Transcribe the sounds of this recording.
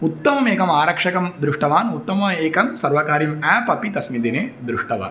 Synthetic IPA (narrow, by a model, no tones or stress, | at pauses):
ut̪ːɐmɐmeːkɐmaːɾɐkʂɐkɐmd̪ɾuʂʈɐʋaːnut̪ːɐmɐeːkɐmsɐɾʋɐkaːɾimɛːpɐpit̪ɐsmid̪ineːd̪ɾuʂʈɐʋa̰ːn